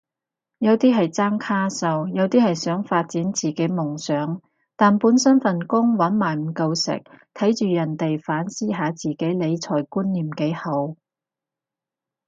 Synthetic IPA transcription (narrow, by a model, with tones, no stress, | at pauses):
jɐ˨˧wt̪iː˥ɦɐ˨jt͡saː˥ŋkʰaː˥sɐ˧wjɐ˨˧wt̪iː˥hɐ˨jsœː˨˥ŋfaː˧t̚t͡siː˨˥nt͡siː˨ke˨˥jmʊ˨˩ŋsœː˨˥ŋ | t̪aː˨npuː˨˥nsɐ˥nfɐ˨nkʊ˥ŋwɐ˨˥nmaː˨˩jm̩˨˩kɐ˧wsɪ̰˨k̚t̪ʰɐ˨˥jt͡ʃyː˨jɐ˨˩nt̪e˨jfaː˨˥nsiː˥ɦaː˨˧t͡siː˨˩ke˨˥jle˨˧jt͡sʰɔː˨˩jkuː˥nːiː˨mke˨˥hɐ˨˧˥w